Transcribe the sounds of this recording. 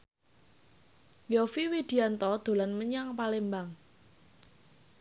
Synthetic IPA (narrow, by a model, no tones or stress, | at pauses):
ɔfiwid̪̥i̤ant̪ɔd̪̥o̤lanməɲaŋpalembaŋ